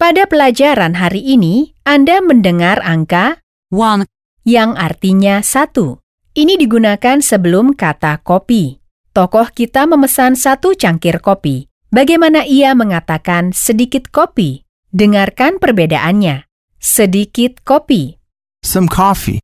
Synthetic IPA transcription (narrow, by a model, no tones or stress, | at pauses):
padapəlad͡ʒaɾanɦaɾiʔːniʔandaməndəŋaraŋka | wan | jaŋart̪iɲasat̪u | ʔinidiɡunakansəbəlʊmkat̪akopi | t̪ɔkɔhkit̪aməməsansat̪ut͡ʃaŋkɪrkopi | baɡajmanaʔiaməŋat̪akansədikɪt̪̚kopi | dəŋarkanpərbeda̰ʔanɲa | sədikɪt̪̚kopi | sə̃mkʰɔfḭ